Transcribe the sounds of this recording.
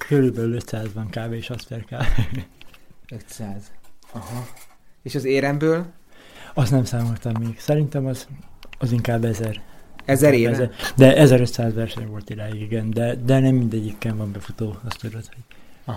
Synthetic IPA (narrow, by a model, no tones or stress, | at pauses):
kʰøɾylbɛlyløt̪saːzʋɒŋkaːveːʃɒsfɛrkaːve | øt̪saːzɒhɒeːʃɒzeːɾɛmbøːl | ɒsnɛmsaːmolt̪ɒmːeːɡ̥sɛɾint̪ɛmɒzɒziŋkaːbːɛzɛrɛzɛɾeɛɛd̪ɛʔɛzɛɾø̞t̪saːzʋɛrʃɛɲvo̞lt̪iɾaːjuɡiɡɛnd̪ɛd̪ɛnɛmːind̪ɛɟːikːɛɱvɒmbɛfut̪oːɒst̪ud̪o̞t̪ho̞ɟɒ